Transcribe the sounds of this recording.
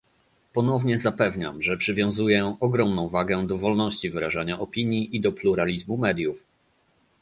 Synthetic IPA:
pɔn̪ɔvɲɛzapɛvɲa̰mʐɛpʂɘvʲjɔ̃w̃zujɛɔɡɾɔmnɔ̃w̃vaɡɛd̪ɔvɔlnɔɕt͡ɕivɘɾaʐaɲaʔɔpʲiɲjiʔid̪ɔpluɾalʲizmumɛd̪ʲjuf

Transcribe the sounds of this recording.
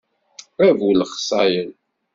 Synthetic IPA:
ævwəlχsˤɑjəl

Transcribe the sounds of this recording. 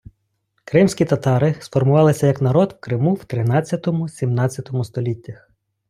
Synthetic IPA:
kɾɪmsʲkʲit̪ɐt̪ɑɾɪsfɔrmʊʋɑlˠɪsʲɐjɐknɐɾɔd̪wkɾɪmuwt̪ɾɪnɑt͡sʲːɐt̪ɔmʊsʲimnɑt͡sʲjɐt̪ɔmʊst̪ɔlʲitʲːɐx

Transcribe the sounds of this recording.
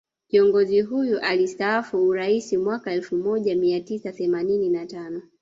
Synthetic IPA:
kiɔŋɡɔziɦujuʔalistaafuːɾaisimwakaɛlfumɔʄamiatisaθɛmanininatanɔ

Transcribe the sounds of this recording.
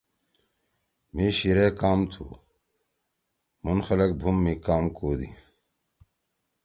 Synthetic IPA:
miɕiɾekaːmt̪ʰṵː | munxɐlɐk̚bʱumːikaːmkoːd̪ḭ

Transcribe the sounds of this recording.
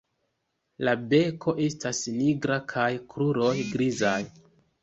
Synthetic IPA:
labe̞kʰo̞ʔe̞stasniɡɾakʰajkɾuɾo̞jɡɾizaj

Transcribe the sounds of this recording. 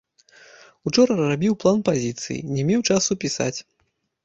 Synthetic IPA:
ut͡ʂɔɾɐrabʲiwplˠanpazʲit̪sɨ̰jḭnʲɛmʲɛwt͡ʂasupʲisa̰t͡sʲ

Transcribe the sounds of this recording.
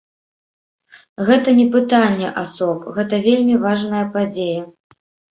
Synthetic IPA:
ɣɛt̪ɐnʲɛpɨt̪anʲːɛʔasɔpɣɛt̪ɐvʲelʲmʲivaʐnɐjɐpad͡zʲejɐ

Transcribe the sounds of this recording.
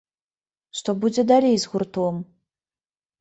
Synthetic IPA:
ʂt̪ɔbud͡zʲɛd̪alʲejzɣurt̪ɔm

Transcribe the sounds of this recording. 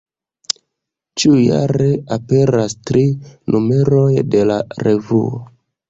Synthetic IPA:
t͡ʃiuja̰ɾe̞ape̞ɾastɾinʔume̞ɾo̞jde̞la̰ɾe̞vuo̰

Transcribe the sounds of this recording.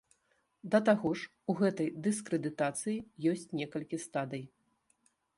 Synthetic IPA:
d̪ɐt̪aɣɔʂ | uɣɛt̪ɐjd̪ɨskɾɨd̪ɨt̪at̪sɨjijɔsʲt͡sʲnʲɛkɐlʲkʲist̪ad̪ɨj

